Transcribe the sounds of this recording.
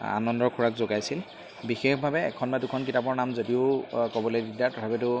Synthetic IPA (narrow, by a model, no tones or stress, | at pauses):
a̰nɔndɔɹkʰuɹakzoɡajsil | bixexbʱabɛɛ̰kʰɔnbadʊkʰɔnk̬itapɔɹnamzodiʊkobɔlojdidatɔtʰabɛtʊ